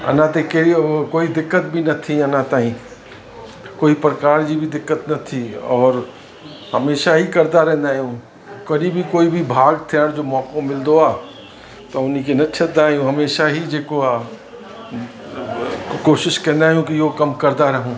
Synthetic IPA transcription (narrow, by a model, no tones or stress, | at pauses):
ɐ̰nat̪ekeikoːid̪ɪkːət̪̚bʱinɐt̪ʰːiɐnaːt̪aːɦĩ | koːipɾəkaːɾd͡ʒibʱid̪ɪkːət̪nɐt̪ʰːiɔːɾ | hɐmeːʃaɦikɐɾd̪aɾɛɦnd̪aːjũ | kɐɾibʱikoːibʱibʱaːɡt̪ʰeɔɾd͡ʒoːmɔːkõmɪld̪oaː | t̪oʊnikenɐt̪ːt͡ʃʰət̪d̪aːjũɦɐmeːʃaɦid͡ʒeːkoa | koːʃɪʃkɐɾnaːjũkijoːkɐmkɐɾd̪aɾɐɦũː